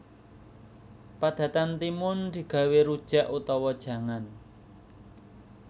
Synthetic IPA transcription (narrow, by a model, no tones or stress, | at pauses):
pad̪̥ä̤t̪ant̪imʊnd̪̥i̤ɡ̥ä̤weɾud̥ʒ̥a̤ʔut̪ɔwɔd̥ʒ̥ä̤ŋan